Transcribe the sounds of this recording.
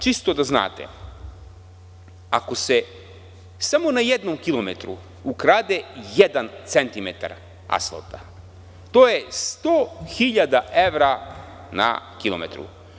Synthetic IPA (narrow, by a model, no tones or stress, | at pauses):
t͡ʃist̪od̪azna̰ːt̪ḛ | ako̞se | samo̞najed̪nomkilˠomet̪ɾṵ | ukɾaːd̪ejed̪ant̪se̞nt̪imet̪a̰ɾ | a̰slˠo̰t̪a | t̪oːjest̪oːxiʎad̪aʔeʋɾa | na̰kilomḛt̪ɾṵ